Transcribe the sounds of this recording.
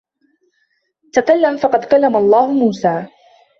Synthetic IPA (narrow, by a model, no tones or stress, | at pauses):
t̪akalːamfɑqɑd̪kalːamalˤːɑːhʊmuːsaː